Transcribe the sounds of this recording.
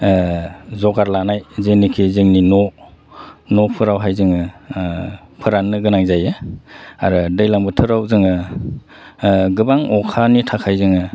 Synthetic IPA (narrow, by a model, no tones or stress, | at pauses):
zɔɡaɾlanajzɯŋnikʰizɯŋninɔ | nɔpʰɯɾawɦajzɯŋɯ | pʰɯɾanːɯɡɯnaŋzajɯ | a̰ɾɯdɯjlaŋbɯtʰɯɾawzɯŋɯ | ɡɯbaŋɔkʰanitʰakʰajzɯŋɯ